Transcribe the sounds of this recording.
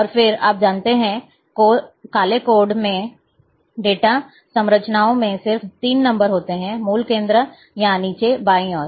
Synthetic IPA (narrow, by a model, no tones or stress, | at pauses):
ɔːɾfɪɾa̰ːp̚d͡ʒaːnt̪eɦɛ̃ | koːkaːlekoːɾɖmẽ | ɖeːʈa | sɐ̃mɾət͡ʃnaːõmẽsɪɾft̪iːnːɐ̃mbəɾɦoːt̪eɦɛ̃muːlkẽːnd̪ɾə | janiːt͡ʃebaːĩɔːɾ